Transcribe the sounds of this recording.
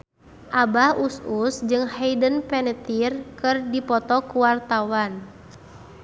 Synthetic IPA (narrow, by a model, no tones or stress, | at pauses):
ʔabahususd͡ʒɨŋhɛjdənpɛnət̪irkɨrdipɔt̪ɔkuwart̪awan